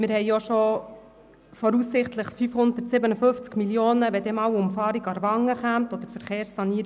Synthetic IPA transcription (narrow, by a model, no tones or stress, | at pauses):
mɪɾhɛɪjoʃo | fɔɾuːsːɪχtləχfyfhʊnd̪ətsɪbənəfɵnft͡skmiljoːnəʋɛd̪eːmɑwʊmfɑːɾiɡɑɾʋɑŋəχæmtɔd̪əɾfəɾχeːɾsːɑniːɾ